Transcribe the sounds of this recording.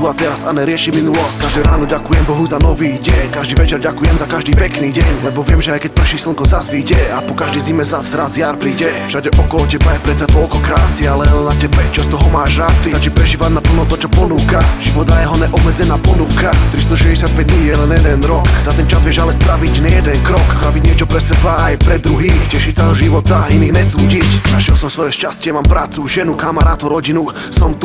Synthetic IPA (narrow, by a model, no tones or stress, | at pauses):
uat̪ɛɾasanɛɾɪɛʃiminulɔskaʒd̪ɛːɾaːnɔɟakujɛmbɔɦuzanɔʋiːɟɛɲkaʒd̪iːʋɛt͡ʃɛɾɟakujɛmzakaʒd̪iːpɛkniːɟɛɲlɛbɔʋɪɛmʒɛajkɛc̚pɾr̩ʃisl̩ŋkɔzazʋiːɟɛapɔkaʒd̪ɛjzimɛzazɾazjaːɾpɾiɟɛfʃaɟɛʔɔkɔlɔcɛbajɛpɾɛt̪t͡sat̪ɔlkɔkɾaːsialɛnacɛbɛt͡ʃɔst̪ɔɦɔmaːʒɾaːt̪iat͡ʃipɾɛʒiːʋaɟnapl̩nɔt̪ɔt͡ʃɔpɔnuːkaʒ̥iʋɔd̪ajɛɦɔnɛʔɔbmɛd͡zɛnaːpɔnuːkat̪ɾist̪ɔʃɛzɟɛsɪat̪pɛɟnijɛlɛnjɛd̪ɛnɾɔkzat̪ɛnt͡ʃazʋɪɛʒalɛspɾaʋiɟɲɛjɛd̪ɛnkɾɔkɾabiɲɪɛt͡ʃɔpɾɛsɛbaajpɾɛd̪ɾuɦiːxcɛʃicsadɔʒiʋɔt̪ainiːɣnɲɛsuːɟiczaʃɪɛlsɔmsʋɔjɛʃcascɪɛmaːmpɾaːt͡suʒɛnukamaɾaːt̪ɔɾɔɟinu | sɔmt̪u